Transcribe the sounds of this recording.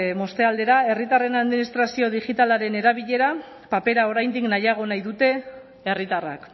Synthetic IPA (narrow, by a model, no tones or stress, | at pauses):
mo̞st̪e̞ald̪e̞ɾae̞rit̪are̞naðminist̪ɾasio̞ðiʝit̪alaɾe̞ne̞ɾaβ̞iʎe̞ɾa | pape̞ɾao̞ɾajnd̪iknajaɣ̞o̞najðut̪e̞ː | rit̪ara̰k